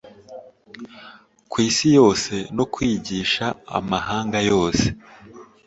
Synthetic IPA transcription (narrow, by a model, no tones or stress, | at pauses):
kwiːsijo̞ːse̞no̞kwiːɟiːʃa̰ːmahaːŋɡajo̞ːse̞